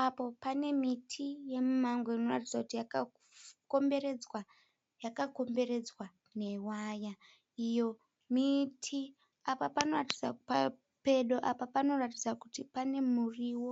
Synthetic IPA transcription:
apo̞pane̞mitʰije̞mumaŋɡweino̞ratid͡zakutijaka | kombe̞ɾe̞d͡zwa | jakako̞mbe̞ɾe̞d͡zwa | ne̞waːja | ijo̞ | mitʰi | apapano̞rati̥d͡zapa | pe̞ɗo̞ʔapapano̞ratid͡zakutipane̞muriwo

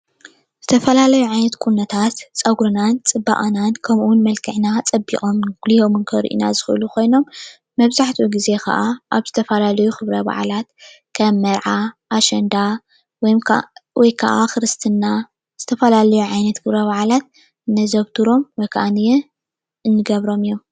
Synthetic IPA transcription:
z̥ɨt̪ʰɐfɐlalɐjuʕajnɐt̪kʼunːɐt̪ʰat̪t͡sʼɐɡɾɨnant͡sʼɨbːa̰ʔʼnankʰɐmuwunmɐlkʰɨʕnat͡sʼɐbḭʔʼomɡ̥liho̞mɨnkʰɐɾ̰ʔḭna̰zɨxɨɨ̰luko̞jno̞mː | ɐβzaħt̪ʰuɡize̞kʰɐ̰ʔaʔaβzɨt̪ʰɐfɐlalɐjuxɨβɾɐba̰ʕlat̪ | kʰɐmːɐɾʕaʔːʃɐnd̪a | wjwɔjkʰa̰ʔakɨɾɨst̪ʰɨnːa | z̥ɨt̪ʰɐfɐlalɐjuʕajnɐt̪kʰɨβɾɐβaʕlat̪̚ | ɨnːɐzɐβt̪ʰuɾo̞mwɔjkʰaʔanɨjɛ | ɨnːɨɡɐβɾo̞mɨjom

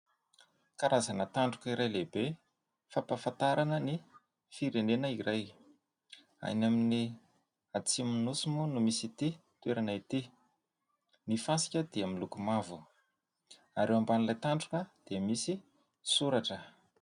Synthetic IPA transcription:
kaɾazanət̪aɳɖ͡ʐukiɾajlebe | fapafant̪aɾanəni | fiɾenenəiɾaj | a̰namini | at͡siminusmunumisit̪it̪weɾanait̪i | nifasi̥kʲəd̪̥iamilukumavu | aɾewambanilajt̪aɳɖ͡ʐukəd̪̥emisi | suɾaʈ͡ʂə

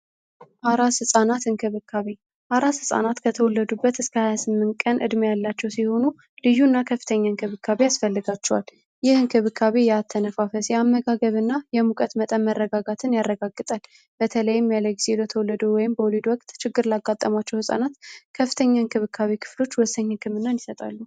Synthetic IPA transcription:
ʔaɾashɨsʼanat̪ɨnkʰɨβɨkʰːaβe | ʔaɾashɨsʼa̰nat̪kʰət̪ʰəwɔlːəd̪ubːət̪ɨskʰəhajasɨmːɨnt̪kʼənʔɨ̰d̪mjalːat͡ʃːɛwsiho̞nu | lɨjuɨnːakʰəfːɨ̥t̪ʰəɲːankʰɨβɨkʰːaβeasfəlːɨɡat͡ʃːɛwal | jɪhɨŋkʰɨβɨkʰːaβejɛat̪ʰːənəfafəsjɛamːəɡaɡəβɨnːajɛmukʼət̪mət̪ʼənmərːəɡaɡat̪ʰɨnjarːəɡaɡːɨt̪ʼal | b̥ət̪ʰələjːɪmːijaləɡizelot̪ʰəwɔlːəd̪owɔjɪmbəwɔlid̪wɔkʼt̪t͡ʃɪɡːɨɾlaɡat̪ʼːəmat͡ʃːɛwhɨsʼa̰nat̪kʰəfːɨt̪ʰəɲːankʰɨβɨkʰːaβekʰɨ̥flo̞t͡ʃːwɔsːəɲhɨkʰɨmɨnːanisət̪ʼa̰lːu

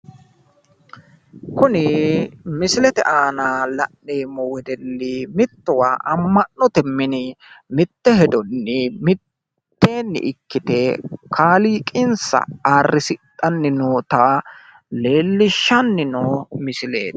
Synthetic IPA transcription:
kʊnɪmɪsɪlɛt̪ɛ̰ʔaːnaːlɐnːeːmːɔwɛd̪ɛlːɪmɪt̪ːʊwaʔɐmːɐnːɔt̪ɛmːɪnɪmɪt̪ːɛhɛd̪ɔnːɪmɪ | t̪ːeːnːɪ̰ʔɪkːɪt̪ɛkʰaːliːkʼɪnsɐ̰aːrːɪsɪt̪ʼːɐnːɪnoːt̪ɐ | le̞ːlːɪʃːɐnːɪnomɪsɪlḛːt̪ɐ̥

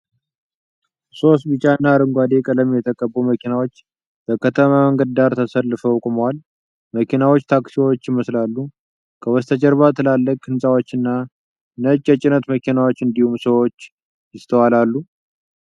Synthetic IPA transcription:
so̞st̪̚bɨt͡ʃʼːanːaːɾɨŋɡʷad̪e̞kʼələmjɛt̪ʰəkʼəbːoməkʰinawo̞t͡ʃː | b̥əkʰət̪ʰəmaəŋɡəd̪aɾt̪ʰəsəlːɨfəwkʼɨməwal | məkʰinawot͡ʃːt̪ʰaksiwo̞t͡ʃːjɪməslalːu | kʰəwɔst̪ʰəd͡ʒɛɾβat̪ʰɨlalːəkkʰːɨnsʼawo̞t͡ʃːɨnːa | nət͡ʃʼːɛt͡ʃʼɪnət̪məkʰinawo̞t͡ʃːɨnd̪ihumsəwo̞t͡ʃː | jɪst̪ʰəwalalːu

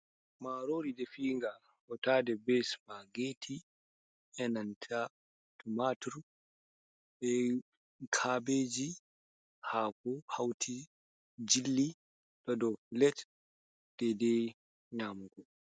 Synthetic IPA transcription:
maɾoːɾidɛfiːŋɡa | ʔɔtaːdɛbɛsmaɡeːtʰi | ɛnantʰa | tumatuɾ | bɛ | kʰaːbeːd͡ʒi | haːkɔhawtʰi | d͡ʒilːi | d̥ɔdɔfilɛt | d̥ɛdɛ | ɲamɡɔ

